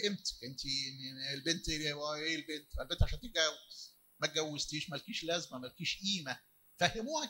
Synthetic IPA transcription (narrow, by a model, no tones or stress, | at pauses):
ʔemt̪ʔent̪ienːelbent̪ʔelæeːlbeːnt̪ælbent̪ʕaʃænt̪eɡæwːez̥ | mæt̪̚ɡæwːezt̪iːʃmælkiːʃlæzmæmælkiːʃʔiːmæ | fæhemuːhæ